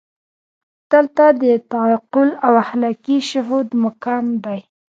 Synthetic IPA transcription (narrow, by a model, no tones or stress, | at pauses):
d̪̥əlt̪ad̪ət̪aɑqʊlawahlɑkiʃʊɦud̪mʊkamd̪aj